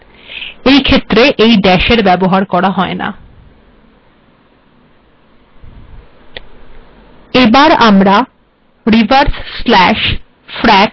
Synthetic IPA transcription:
ejkʰet̪ːɾeʔejɖɛʃeɾbɛboɦaɾkɔɾaɦɔena̰ | ebaɾamɾa | ɾivaɾsslɛʃ | fɾɛk

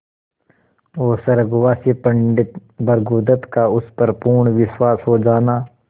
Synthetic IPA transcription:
oːsɐɾəɡʊwaːsiːpɐɳɖɪt̪bɐɾɡuːd̪ət̪kaʊspɐɾpuːɳʋɪswaːsɦoːd͡ʒaːnaː

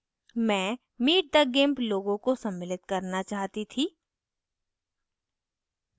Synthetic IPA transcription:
mɛ̃ː | miːʈ̚d̪əɡẽːmploːɡõkosɐmːɪlɪt̪kɐɾnat͡ʃaːɦt̪it̪ʰiː

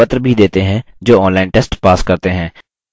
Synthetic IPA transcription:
ət̪ɾbʱid̪eːt̪eɦɛ̃ | d͡ʒoːɔ̃ːnlaːɪnʈɛːsʈpaːskɐɾt̪eɦɛ̃ː

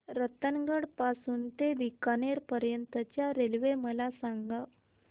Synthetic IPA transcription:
ɾət̪ənɡəɽpasuːnt̪ed̪ikaneɾpəɾjənt̪ət͡ɕjaɾelʋeməlasaŋɡa

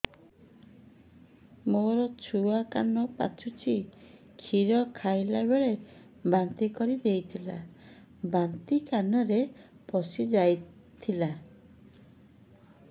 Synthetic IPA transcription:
moɾɔt͡ʃʰuaka̰nɔpa̰t͡ʃʰut͡ʃʰi | kʰiɾɔkʰajlabeɭe | bant̪ikɔɾid̪ejt̪ʰila̰ | bant̪ikanɔɾepɔsid͡ʒajt̪ʰila

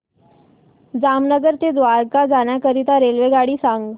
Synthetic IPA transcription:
d͡zamnəɡəɾt̪ed̪ʋaɾkad͡zaɳjakəɾit̪aɾelʋeɡaɽiːsaŋɡ

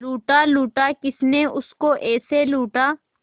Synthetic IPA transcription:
luːʈaluːʈakɪsneʊskoʔɛːseluːʈaː

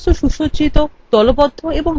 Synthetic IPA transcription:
oʃuʃot͡ɕit̪ot̪ɔlopɔd̪ʱːoeboŋ

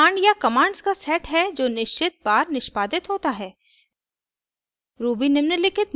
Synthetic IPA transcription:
aːɳɖjakɐmaːɳɖskasɛːʈɦɛd͡ʒoːnɪʃt͡ʃɪt̪̚baːɾnɪʃpaːd̪ɪt̪ɦoːt̪aɦɛː | ɾuːbinɪmnəlɪkʰɪt̪̚

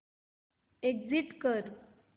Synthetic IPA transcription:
eɡd͡ziʈkəɾ

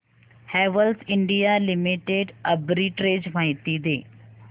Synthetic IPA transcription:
hɛːʋəlsɪ̃ɳɖijalɪmiʈeɖɐbɾiʈɾeːd͡ʑmãːĩt̪iːd̪eː

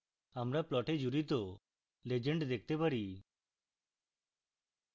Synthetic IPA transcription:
amɾaplɔʈed͡ʒuɾit̪ɔ | led͡ʒeɳɖd̪ek̚ʰt̪ɛpaɾi

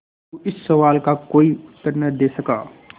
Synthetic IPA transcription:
uɪsːɐʋaːlkakoːiʊt̪ːəɾnəd̪eːsɐkaː

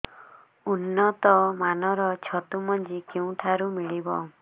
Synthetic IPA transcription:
unːɔt̪ɔmanɔɾɔt͡ʃʰɔt̪umɔnd͡ʒikew̃ʈʰaɾumiɭibɔ

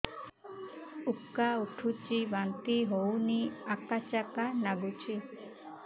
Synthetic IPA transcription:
ukːauʈʰut͡ʃibant̪iɦowniakat͡ʃakanaɡut͡ʃʰi

